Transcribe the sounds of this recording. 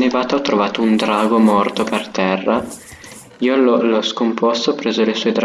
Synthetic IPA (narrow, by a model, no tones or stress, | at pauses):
nevaːt̪aɔt̪ːɾovaːt̪ound̪ɾaːɡomɔrt̪opert̪ɛrːa | iːolɔlɔskompɔst̪opɾeːzolesɔed̪ɾ